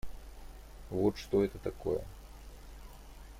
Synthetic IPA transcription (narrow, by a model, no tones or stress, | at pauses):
vot̪ʂt̪oɛt̪ət̪akojə̰